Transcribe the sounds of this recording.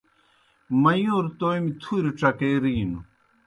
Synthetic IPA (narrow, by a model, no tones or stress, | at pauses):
mɐjoːɾt̪ojmit̪ʰuɾiʈ͡ʂɐkeɾiːnu